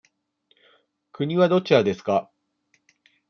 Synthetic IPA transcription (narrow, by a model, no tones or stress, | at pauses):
kɯ̟ɲ̟iβad̪o̞t͡ɕiɾad̪e̞sɨ̥ka